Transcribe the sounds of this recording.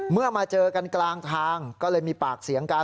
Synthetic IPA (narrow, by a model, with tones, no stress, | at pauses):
mɯ˥˩ɐmaː˧t͡ɕɤː˧ka˧nklaː˧ŋt̪ʰaː˧ŋkɔː˥˩lɤː˧jmiː˧paː˨˩k̚si˩˦əŋkaː˧